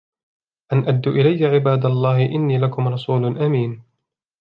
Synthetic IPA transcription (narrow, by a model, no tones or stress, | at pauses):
ʔanʔad̪ːʊʔɪlajːaʕɪbaːd̪alˤːɑːhɪʔɪnːiːlakʊmɾˤɑsˤuːlʊnʔamiːn